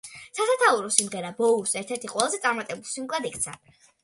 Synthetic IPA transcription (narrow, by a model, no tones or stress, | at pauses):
sasat̪ʰauɾɔsimʁɛɾabɔusɛɾt̪ʰɛɾt̪ʰiqʼwɛlˠazɛt̪sʼaɾmat̪ʼɛbulˠsimɡlad̪ik̚ʰt̪sʰa